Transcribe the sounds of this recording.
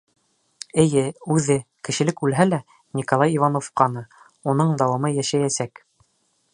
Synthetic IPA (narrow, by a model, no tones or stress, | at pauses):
ɘ̆jɘʉðɘkɘ̆ʃɘ̆lɘkʉlɦælæ | nʲikolˠɑjivɑnofqɑnɤ | un̪ɤɴd̪ɑwɑmɤjæʃæjæsæk